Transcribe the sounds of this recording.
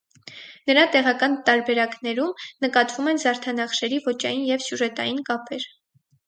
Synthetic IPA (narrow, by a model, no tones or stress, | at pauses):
nəɾɑt̪ɛʁɑkɑnt̪ɑɾbɛɾɑknɛɾumnəkɑt̪vumɛnzɑɾt̪ʰɑnɑχʃɛɾivɔt͡ʃɑjinjɛvsjuʒɛt̪ɑjinkɑpʰɛɾ